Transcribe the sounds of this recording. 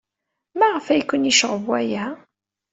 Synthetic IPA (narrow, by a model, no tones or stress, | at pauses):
mæʁəfæjkʷːənjiʃəʁəvwæjæ